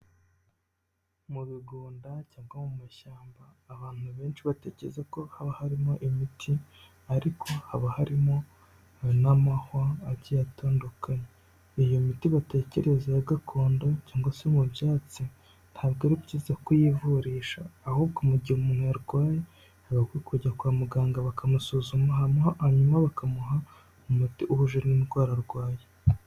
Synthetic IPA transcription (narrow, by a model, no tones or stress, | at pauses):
muβiɡuːndacaːŋɡwamumaʃaːmbaːβaːn̥uβe̞ːnʃiβate̞ːce̞ɾezeko̞haβahaɾimo̞ʔimitʰi | aɾikʰo̞haβahaɾimo̞ | namahwaːβɟijatʰoːndokaɲe | ijomitiβate̞ːce̞ɾe̞zajaɡakʰo̞ːndocaːŋɡosemubjaːt͡si | n̥haːbɡiɾibɟiːzakujivuɾiːʃaːhuːbɡomuɟihumuːnhujaɾɡwaːje | haβaɡwikuɟakwaːmuɡaːŋɡaβakamusuːzumahamuhahaɲumaβakamuɦa | umutiʔuhuʒuɾniɾɡwaːɾaɾɡwaːje